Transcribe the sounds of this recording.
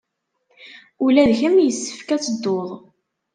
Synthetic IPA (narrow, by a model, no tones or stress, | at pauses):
ulæðçæmjəsːə̥fkæt͡sːəd̪ːoðˤ